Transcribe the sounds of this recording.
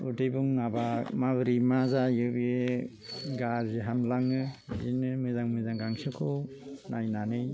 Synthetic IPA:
ṵdɯjbuŋnabamabɯɾimazajɯbe | ɡaɾziɦamlaŋɯzinɯmɯzaŋmɯzaŋɡaŋsɯkʰɯw | najnanɯj

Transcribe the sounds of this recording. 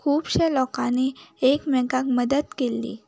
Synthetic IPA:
kʰuːbɕelɔkaneekmɛ̃kak̚məd̪əd̪kelːḭː

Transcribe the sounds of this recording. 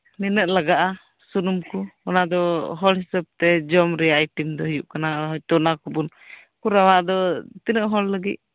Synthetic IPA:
nɛnəʔlaɡaʔa | sunumkuɔnad̪ɔɦɔlɦɛsəb̚t̪ɛd͡ʒɔmɾɛjaʔjʈimd̪ɔɦijuʔkanaɦɔt̪ɔnakubun | kuɾawaʔd̪ɔt̪inəʔɦɔlːəɡḭt̪̚

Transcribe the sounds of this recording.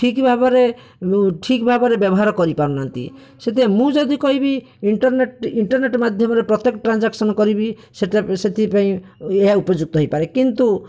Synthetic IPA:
ʈʰikbʱabɔɾe | ʈʰikbʱabɔɾebjɔbɔɦaɾɔkɔɾipaɾũnant̪ḭ | set̪emũd͡ʒɔd̪ikɔɦibi | iɳʈɔɾneʈiɳʈɔɾneʈmad̪ʱjɔmɔɾepɾɔt̪ekɔʈɾand͡ʒaksɔnɔkɔɾibi | seʈeset̪ʰipaĩeɦaupɔd͡ʒuk̚t̪ɔɦojpaɾekint̪u

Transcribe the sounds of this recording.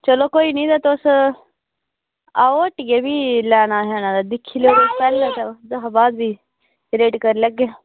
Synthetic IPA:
t͡ʃəloːkoːiːnĩːd̪aːt̪ːʊs | aːoəʈɡeːbiːlɛːɽ̃aːɦɛːñãːd̪aːd̪ɪkʰːiːleoːɾoːspɛːlaːt̪ad̪əɦabaːd̪biː | ɾeːʈkəɾləɡːeː

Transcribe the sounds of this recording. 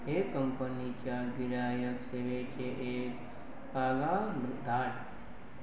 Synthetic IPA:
ɦeːkːəmpənit͡ʃaːɡiɾaːjəkseʋeːt͡ʃʰeʔeːk | paːɡaːmbɾɪd̪ʱaːʈ

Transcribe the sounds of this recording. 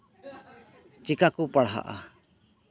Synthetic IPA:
t͡ʃikakupaɽɦa̰ʔa̰

